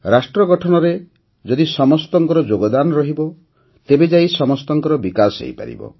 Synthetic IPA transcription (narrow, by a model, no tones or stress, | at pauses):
ɾasʈɾɔɡɔʈʰɔnɔɾe | d͡ʒɔd̪isɔmɔst̪ɔŋkɔɾɔd͡ʒoɡɔd̪anɔɾɔɦibɔ | t̪ebed͡ʒaisɔmɔst̪ɔŋkɔɾɔbikasḛjpa̰ɾḭbɔ̰